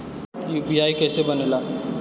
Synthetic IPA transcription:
juːbiaːikɛːsebənelaː

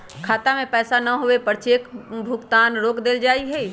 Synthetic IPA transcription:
kʰaːt̪amẽpɛːsanəɦoʋepəɾt͡ʃeːkbʱʊɡt̪aːnɾoːkd̪eld͡ʒaːiɦɛ

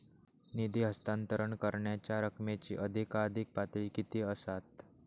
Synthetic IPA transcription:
nid̪iɦəst̪ant̪əɾəɳkəɾɳjat͡ɕjaɾəkʰmet͡ɕḭːʔəd̪ʱikad̪ʱik̚pat̪ɾiːkit̪iəsat̪

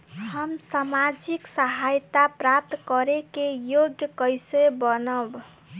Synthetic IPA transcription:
həmsamad͡ʒiksəɦajt̪apɾap̚t̪kəɾekejoɡjəkəjsebənəb

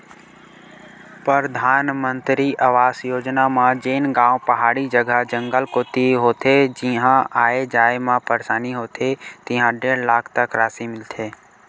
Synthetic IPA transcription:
pəɾd̪ʱaːnmə̃nt̪ɾiʔəʋaːsjoːd͡ʒnamãd͡ʒeːnɡãːʊ̃pɐɦaːɽid͡ʒəɡʱəd͡ʒə̃ŋɡəlkoːt̪iɦoːt̪ʰed͡ʒiɦãʔaːed͡ʒaːemãpəɾsaːniɦoːt̪ʰet̪ɪɦãɖeːɾlaːkʰt̪əkɾaːsimɪlt̪ʰeː

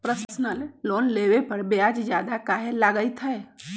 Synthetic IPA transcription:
pɾəssnəlːoːnleːʋepəɾbeaːd͡ʒd͡ʒjaːd̪akaːɦelaːɡəit̪ʰɦəe

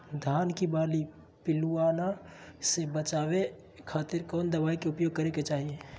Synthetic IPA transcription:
d̪ʱaːnkibaːli | pɪluanasebət͡ʃaːbe | kʰaːt̪ɪɾkɔːnd̪əβaːikeʊpjoːɡ̚kəɾeket͡ʃaɦie

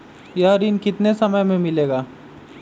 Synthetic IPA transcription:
jaːɾiːnkɪt̪nesɐməjmẽmɪleːɡaː

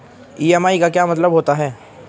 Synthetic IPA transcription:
iːɛmaːikakjaːmɐt̪ləbɦoːt̪aɦɛː

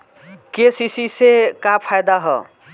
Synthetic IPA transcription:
kesisisekapʰajd̪aɦɔ̰

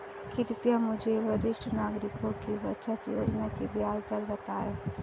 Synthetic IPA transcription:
kɪɾpjamʊd͡ʒʱeʋəɾɪʃʈʰənaːɡɾɪkõkiʋətːʃət̪jo̰ːd͡ʒnakibjaːd͡ʒd̪əlbət̪aːeː

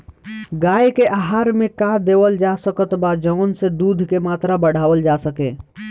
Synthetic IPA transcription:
ɡaːekeʔaːɦaːɾmẽkad̪eːwəld͡ʒasəkət̪bad͡ʒɔʊnsed̪uːd̪ʱkemaːt̪ɾabəɽ̤aːʋəld͡ʒasəkḛ̃ː

